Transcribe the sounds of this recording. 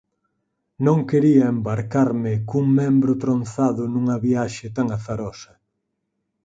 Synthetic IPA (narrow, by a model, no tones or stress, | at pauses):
nõŋkeɾiɐembaɾkaɾmɪkuŋmɛ̃mbɾʊt̪ɾon̟θaðʊnuŋɐβiaʃɪt̪aŋaθaɾɔsɐ